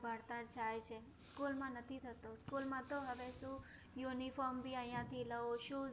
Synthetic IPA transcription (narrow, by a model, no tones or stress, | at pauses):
bʱəɾt̪əɾt͡ʃʰajt͡ʃʰe | skulmãnət̪ʰit̪ʰət̪oskulmãt̪oɦəʋesũ | junifɔːɾmbʱiəjãt̪ʰiləoʃũː